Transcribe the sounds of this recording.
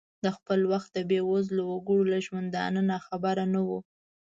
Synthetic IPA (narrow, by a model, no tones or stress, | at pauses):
d̪əxpəlwaxt̪̚d̪əbewozlawaɡəɽolaʒwand̪anənaxabaɾanawu